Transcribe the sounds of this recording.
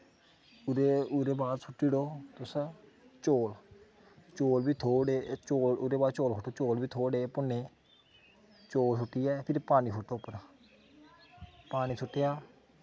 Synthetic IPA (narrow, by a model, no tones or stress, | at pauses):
ʊɾeʊɾeːbaːd̪sʰʊʈːiːɽoːt̪ʊsa | t͡ʃoːl | t͡ʃoːlbiːt̪ʰoːɽeːt͡ʃoːlʊɾeːbaːd̪̚t͡ʃoːlkʰʊʈːoːt͡ʃoːlbiːt̪ʰoːɽeːpʊnːeː | t͡ʃoːlsʊʈːiːɛːpʰɪɾpaːniːsʰʊʈːoːpən | paːniːsʰʊʈːeːjaː